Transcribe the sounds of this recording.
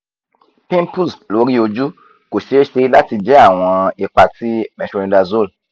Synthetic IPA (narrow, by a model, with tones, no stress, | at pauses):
pĩ˦mpu˦˨slo˨˦ɾi˦o˧d͡ʒu˦ | ko˨ʃe˨˦ʃe˧la˦ti˧d͡ʒɛ˦a˦˨w̃ɔ̃˧i˧k͡pa˧ti˦mɛ̃˨˧ʃo˧ɾĩ˧da˧zo˦˨l